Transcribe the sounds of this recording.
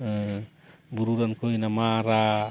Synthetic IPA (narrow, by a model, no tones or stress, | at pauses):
buɾuɾankʰojnamaɾa